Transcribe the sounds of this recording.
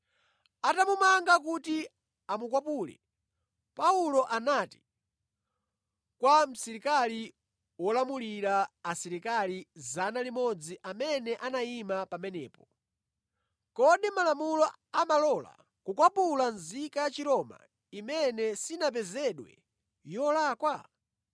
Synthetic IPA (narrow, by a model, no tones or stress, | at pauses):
atamumaŋɡakuti | amukwapulɛ̰ | paulɔʔanati̥ | kwam̩sɛɾikali | wɔlamuliɾaːsiɾikalizanalimɔd͡ziʔamɛnɛʔanaimapamɛnɛ̰ːpɔ | kɔɗimalamulɔ | amalɔla̰ | kukwapulanzikajat͡ʃiɾɔma̰ | imɛnɛsinap̬ɛzɛɗwɛ̰ | jɔlaːkwa